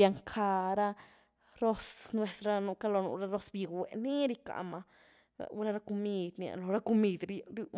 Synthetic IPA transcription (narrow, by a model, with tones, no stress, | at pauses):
a˧ŋkʰa˧ɾa˦ | ɾo˦snwe˧˨sɾa˧nu˧ka˦lo˧nṵ˧ɾa˧ɾo˧sbi˧ɡwe˨ni˦ɾi˧ka̰˧ma̰˧ | wɾa˦˧ɾa˧ko˧mi˧d̪nia̰˧lo˨ɾa˦ko˧mi˧d̪ɾɾu˧